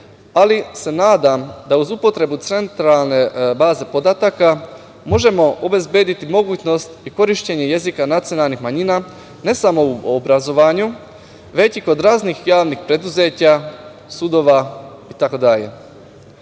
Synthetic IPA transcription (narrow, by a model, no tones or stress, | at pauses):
alise̞naːd̪amd̪auzupo̞t̪ɾe̞but̪se̞nt̪ɾalˠne̞baːze̞po̞d̪at̪aka | mo̞ʒe̞mo̞ʔobe̞zbje̞ːd̪it̪imo̞ɡuːt͡ɕno̞st̪iko̞ɾiʃt͡ɕe̞ɲe̞je̞zikanat̪sijo̞nalˠnixmaɲina | ne̞samo̞uobɾazo̞ʋaːɲu | ʋe̞t͡ɕiko̞d̪ɾaːznixjaːʋnixpɾe̞d̪uze̞ːt͡ɕa | sud̪o̞ʋa | it̪akod̪aʎe̞̰